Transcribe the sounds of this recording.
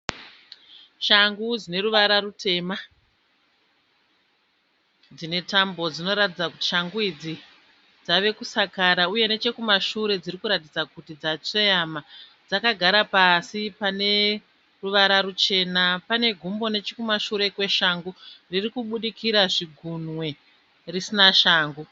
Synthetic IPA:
ʃaŋɡud͡zine̞ɾuʋaɾarute̞ːma | d͡zine̞tambo̞d͡zino̞ɾatid͡zakuti̥ʃaŋɡuid͡zi | d͡zaʋe̞kusakaɾauje̞ne̞t͡ʃe̞kumaʃuɾe̞d͡ziɾikuɾat̬id͡zakutid͡zat͡sejama | d͡zakaɡʱaɾapasipane̞ | ruʋaɾaɾut͡ʃe̞napane̞ɡʱumbo̞ne̞t͡ʃekumaʃuɾe̞kwe̞ʃaŋɡuririkuɓuɗikʰiɾaʐiɡʱunwe̞ | risinaʃaːŋɡu

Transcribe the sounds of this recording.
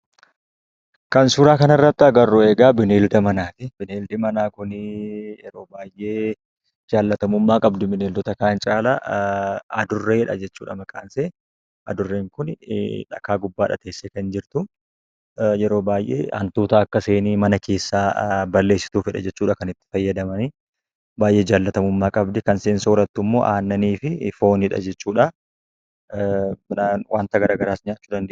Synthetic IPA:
kɐnsʊɾaːkɐnɐrːɐt̪ːɪɐɡɐrːʊeːɡaːbɪneːld̪ɐmɐnaːt̪ɪbɪneːld̪ɪmɐnaːkʊnjɛɾo̞ːbaːjʔeː | d͡ʒaːlːɐt̪ɐmʊmːaːkʼɐbd̪ʊbɪneːld̪ɔt̪ɐkaːnt͡ʃʼaːlɐ | ɐd̪ʊrːeːhɛᶑɐd͡ʒɛt͡ʃːuːᶑɐmɐkʼaːnse | ʔɐd̪ʊrːeːŋkʊn̰ᶑɐ̰kaːɡʊbːaːᶑɐ̰t̪e̞ːsːekɐnd͡ʒɪɾt̪ʊ | jɛɾo̞ːbaːjʔḛːɐ̰nt̪uːt̪ɐɐkːɐse̞ːniːmɐnɐkʰe̞ːsːaːbɐlːe̞ːsːɪ̥t̪uːfhɪᶑɐ̰d͡ʒɛt͡ʃːuːᶑɐkɐnɪt̪ːɪ̥fɐjːɐd̪ɐmɐnɪ | baːjʔe̞ːd͡ʒaːlːɐt̪ɐmʊmːaːkʼɐbd̪ɛkɐnseːnsɐɔɾɐt̪ːʊmːo̞ːʔaːnːɐniːfɪfo̞ːnhɪᶑɐ̰d͡ʒɛt͡ʃːuːᶑɐ | mnawʔaːnt̪ɐɡɐɾaːɡɐɾaːsɲaːt͡ʃːuːd̪ɐnd̪e

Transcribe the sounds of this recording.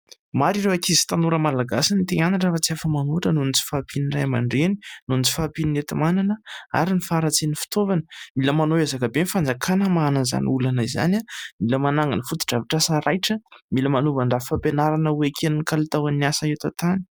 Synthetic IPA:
maɾiɾewakizi̥t̪anuɾəmalaɡasinit̪eŋanaʈ͡ʂəfat͡siafəmanuʈ͡ʂənunit͡si̥fapʰinirajmaɳɖ͡ʐeni̥nunit͡si̥fapininet̪imananəa̰ɾinifaːɾat͡senifi̥t̪ovanə̥miləmanoazakabenfand͡zakʰanəmaːnəza̰niulanəiza̰namiləmanaŋənifut̪u̥ʈ͡ʂaviʈ͡ʂasaɾajʈ͡ʂəmiləmanuvaɳɖ͡ʐafampenaɾanəwekʰeninikalit̪awanːiasaewt̪at̪ani̥

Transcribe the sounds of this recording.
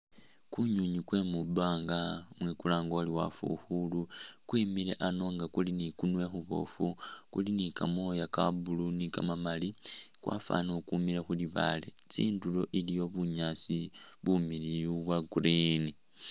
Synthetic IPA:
kuɲuɲikwe̞mubaːŋɡamwikulaːŋɡoliwa̰fṵxulukwiːmile̞̰ʔano̞ːŋɡakulinikunwe̞xuβo̞̰fukṵlinikamo̞jakabulunika̰mamalikwʔa̰fa̰nokumilexuliβa̰lḛ | t͡sḭːndulo̞ʔilijo̞βuɲaːt͡siβumilijuβwaɡuɾini

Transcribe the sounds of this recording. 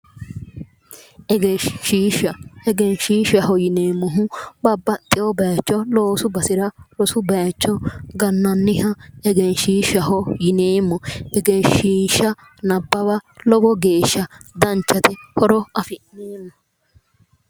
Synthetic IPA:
ɛɡɛʃiːʃɐɛɡɛnʃiːʃɐɦɔjɪneːmːɔɦʊbɐbːɐt̪ʼːɪjɔbɐjt͡ʃːɔloːsʊbɐsɪɾɐɾɔsʊbɐjt͡ʃːɔɡɐnːɐnːɪhɐɛɡɛnʃiːʃɐɦɔjɪneːmːɔɛɡeʃiːʃɐ | nɐbːɐbɐlɔbɔɡe̞ːʃːɐd̪ɐnt͡ʃːɐt̪ɛhɔɾɔɐfɪʔneːmːɔ

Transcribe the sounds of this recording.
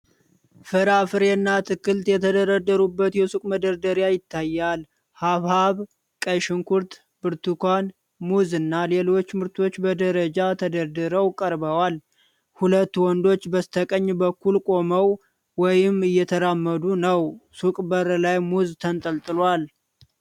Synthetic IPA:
fɨɾafɨɾenːat̪ʰɨkːɨlt̪jɛt̪ʰəd̪əɾəd̪ːəɾubːət̪jɛsukʼməd̪əɾd̪əɾjajɪt̪ːajːal | haβhaβ | kʼəʃɪŋkʰuɾt̪ʰ | b̥ɨɾt̪ʰukʷan | muzɨnːale̞lo̞t͡ʃːmɨɾt̪ʰo̞t͡ʃːbəd̪əɾəd͡ʒat̪ʰəd̪əɾd̪ɨɾəwkʼəɾbəwal | hulət̪ːwɔnd̪o̞t͡ʃːbəst̪ʰəkʼəɲːbəkːulkʼo̞məw | wɔjɪmɨjːɛt̪ʰəɾamːəd̪unəwsukʼbəɾəlajmuzt̪ʰənt̪ʼəlt̪ʼɨlwal

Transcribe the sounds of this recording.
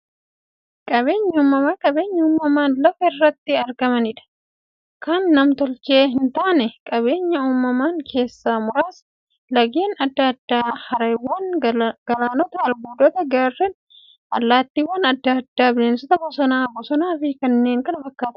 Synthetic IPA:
kʼɐβe̞ːɲːɐuːmːɐmaːkʼɐbe̞ːɲːɐuːmːɐmaːnlɐfɐɪrːɐt̪ːɪɐɾɡɐmɐnɪᶑɐ̥ | kʰɐnːɐmt̪ɔlt͡ʃe̞ːɦɪnt̪aːnɛkʼɐβe̞ːɲːɐuːmːɐmaːŋkʰe̞ːsːaːmʊɾaːs | lɐɡe̞ːnɐd̪ːɐd̪ːaːhɐɾɐjwɐnɡɐlaːnɔt̪ɐːɾbuːd̪ɔt̪ɐɡɐrːɛn | ʔɐ̰lːaːt̪ːiːwɐnɐd̪ːad̪ːaːbɪleːnsɔt̪ɐbɔsɐnaːbɔsɐnaːfɪkɐnːe̞ːŋkɐnɐfɐkːaːt̪ɐ

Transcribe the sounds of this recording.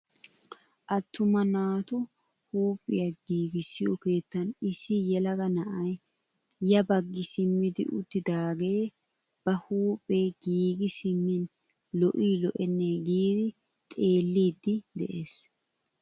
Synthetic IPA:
ʔɐt̪ːʊmɐnaːt̪ʊ | huːpʼːɪ̰jɐɡiːɡɪsːɪjoke̞ːt̪ːɐnɪsːɪjɛlɐɡɐnɐʔɐj | jɐbɐɡːɪsɪmːɪd̪ɪ̰ʔʊ̰t̪ːɪd̪aːɡe̞ː | b̥ɐhuːpʼːeːɡiːɡɪsɪmːɪn | lɔʔiːlɔʔɛnːeɡiːd̪ɪ | t̪ʼe̞ːlːiːd̪ːɪd̪ɛʔe̞ːs

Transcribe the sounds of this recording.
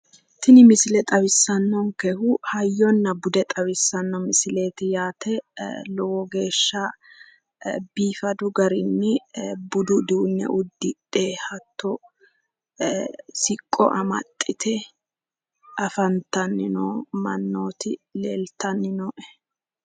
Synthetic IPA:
t̪ɪnɪmɪsɪlɛt̪ʼɐwɪsːɐnːɔŋkɛhʊhɐjːɔnːɐbʊd̪ɛt̪ʼɐβɪsːɐnːɔmɪsɪle̞ːt̪ɪjaːt̪ʰɛlɔwɔɡe̞ːʃːɐ | biːfɐd̪ʊɡɐɾɪnːɪbʊd̪ʊd̪uːnːɛ̰ʔʊd̪ːɪᶑʼeːhɐt̪ːɔ | sɪkʼːɔ̰ʔɐmɐ̰t̪ʼːɪt̪ʰɛ | ʔɐfɐnt̪ɐnːɪnoːmɐnːoːt̪ɪleːlt̪ɐnːɪnɔːʔɛ

